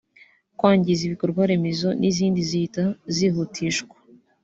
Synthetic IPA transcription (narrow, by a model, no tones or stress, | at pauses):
kwaːɲɟiziβikoɾɡwaɾe̞mezo̞nʔiziːndiziitazihutʰiʃkwḁ